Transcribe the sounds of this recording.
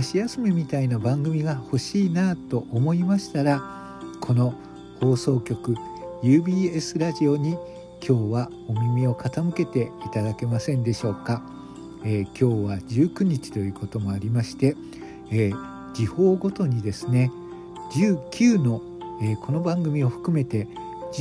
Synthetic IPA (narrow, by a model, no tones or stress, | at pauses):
aɕijasɨme̞mʲit̪ainabãŋɡɯ̟mʲiɡaho̞ɕiːnat̪o̞ʔomo̞imaɕi̥t̪aɾa | kʰo̞no̞ | ho̞ːso̞ːkʲo̞kɯ̟ | jɯ̟ːbʲiːe̞sɨɾaʑio̞ɲ̟i | kʲʰo̞ːβa | o̞mʲimʲio̞kat̪amɯ̟ke̞t̪e̞it̪ad̪ake̞masẽ̞nd̪e̞ɕo̞ːka | eːkʲʰo̞ːβad͡ʑɨːkɯ̟ɲ̟it͡ɕi̥t̪o̞jɯ̟ːko̞t̪o̞mo̞aɾʲimaɕi̥t̪e̞ː | d͡ʑiho̞ːɡo̞t̪o̞ɲ̟id̪e̞sɨne̞ | d͡ʑɨːkʲʰɨːno̞ | eːkʰo̞no̞bãŋɡɯ̟mʲio̞ɸɯ̟̥kɯ̟me̞t̪e̞